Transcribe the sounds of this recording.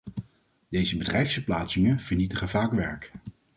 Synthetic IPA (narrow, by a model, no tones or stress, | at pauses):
d̥ejzəbədrɛjfsfəɹplaːtsɪŋəv̥əɹnitəχənvaːkʋɛɹk